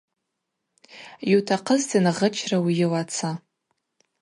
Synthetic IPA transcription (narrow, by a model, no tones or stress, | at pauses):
jutʰaqʰəztʰinʁət͡ʃʰrawijɪwat͡sʰa